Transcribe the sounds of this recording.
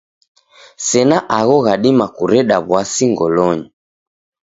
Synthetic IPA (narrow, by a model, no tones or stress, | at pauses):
sɛnaʔaɣɔɣaɗimakuɾɛɗaβwasiŋɡɔlɔɲi